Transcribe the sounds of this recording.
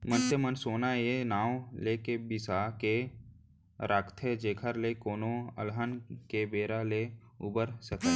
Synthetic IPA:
mənt̪əmənsoːnaenaːwlekebɪsake | ɾaːkt̪ʰed͡ʒeːkʰəɾlekoːnoə̰lɦənkebeːɾaleuːbəɾsət̪ʰə

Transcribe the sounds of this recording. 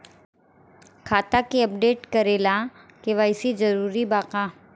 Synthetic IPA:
kʰaːt̪akiɐp̚ɖeːʈkɐɾeːla | keʋaːɪsid͡ʒɐɾuːɾibaːqaː

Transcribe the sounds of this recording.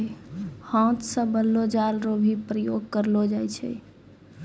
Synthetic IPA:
hãt̪sə̃bəlːod͡ʒalɾobʱipɾəjoɡ̚kəɾlod͡ʒajt͡ʃʰɛ̰

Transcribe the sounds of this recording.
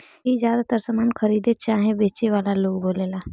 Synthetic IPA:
ɦizjaːd̪at̪əɾsəmaːnkʰəɾiːd̪et͡ʃaːɦẽbeːt͡ʃeʋaːlaloːɡboːlela

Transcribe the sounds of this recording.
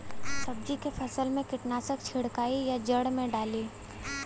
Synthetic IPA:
sɐb̚d͡ʒikefʰɐsəlmẽkɪʈnaːsək̚t͡ʃʰɪɽkaːijad͡ʒɐɽmẽɖaːliː

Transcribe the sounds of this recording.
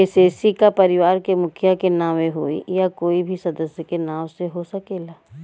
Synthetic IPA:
ɪseːsikapɐɾɪʋaːɾkemʊkʰjakenãːʋeɦoːḭjakoːibʱisɐd̪əsjəkenãːʋseɦosɐkeːlaː

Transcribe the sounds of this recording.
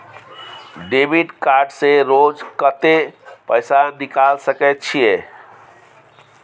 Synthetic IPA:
ɖebiɖkaɾɖseɾod͡ʒkət̪epəɪsanikalsəkɛt̪̚t͡ʃʰije

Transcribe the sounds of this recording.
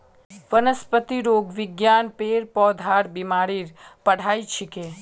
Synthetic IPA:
ʋənəspət̪iɾoɡʋɪɡjanpeɾpɔd̪ʱaɾbimaɾiɾpəɽ̤ait͡ʃʰɪke

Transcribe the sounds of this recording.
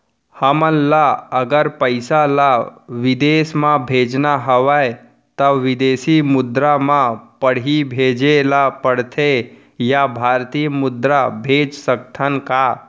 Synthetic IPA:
həmənlaəɡəɾpəɪsalaʋɪd̪eːsmãbʱeːd͡ʒnaɦəʋae | t̪əʋɪd̪eːsimʊd̪ɾamãpəɽ̤ibʱeːd͡ʒelapəɽ̤t̪ʰe | jabʱaɾt̪imʊd̪ɾabʱeːd͡ʒsək̚t̪ʰənka

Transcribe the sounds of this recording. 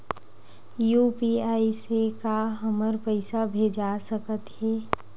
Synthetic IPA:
juːpiaːisekaɦəməɾpəɪsabʱeːd͡ʒasəkət̪hɛː

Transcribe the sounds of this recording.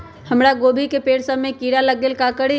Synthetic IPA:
həmɾaɡobʱikepeːɽsəmːekiɾaləɡelkakəɽi

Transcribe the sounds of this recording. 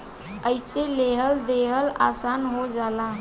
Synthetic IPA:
əjseleɦəld̪eɦəla̰sanɦod͡ʒala

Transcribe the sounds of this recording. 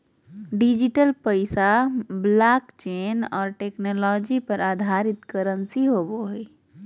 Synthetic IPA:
ɖid͡ʒiʈəlpəɪsablaːkt͡ʃeːnɔːɾʈeːknɔːlɔːd͡ʒipəɾaːd̪ʱaɾɪt̪kəɾənsiɦoːboɦe

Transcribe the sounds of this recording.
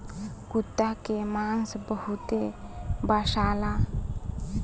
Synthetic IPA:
kut̪ːakemansbəɦut̪ebaʃala

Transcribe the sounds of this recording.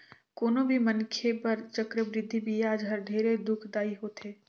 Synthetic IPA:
koːnõbʱimɐnkʰepɐɾt͡ʃɐkɾəbɾɪd̪ʱːibʱiaːd͡ʒɦɐɾɖʱeːɾed̪ʊkʰd̪aːiɦoːt̪ɦeː

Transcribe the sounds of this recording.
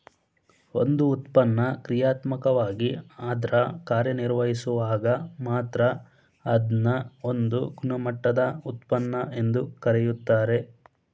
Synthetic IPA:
o̞̰nd̪uːt̪pɐnːɐkɾijaːt̪mɐkɐʋaːɡiaːd̪ɾɐkaːɾjɐniɾʋɐɦisuʋaːɡɐmaːt̪ɾɐ | ɐd̪nɐo̞nd̪uɡunɐmɐʈːɐd̪ɐut̪̚pɐnːɐʔe̞nd̪ukɐɾɛjut̪ːaːɾe̞

